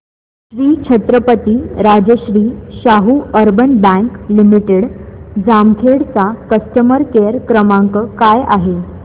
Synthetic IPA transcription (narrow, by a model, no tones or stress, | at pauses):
ɕɾiːt͡ɕʰət̪ɾəpət̪iːɾad͡ʑəɕɾiːɕaɦuəɾbənbæ̃ŋklimiʈeɽd͡zamkʰeɽt͡sakəst̪əməɾkeɾkɾəmaŋkəkaja̰ɦe